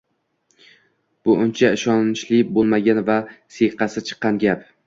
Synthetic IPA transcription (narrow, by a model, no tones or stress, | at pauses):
b̥ʊʔʊnt͡ʃʰaɪʃɒnɪʃlɪbolˠmaɡʲanvaseqɑsɪt͡ʃʰɨ̥qːɑnɡʲap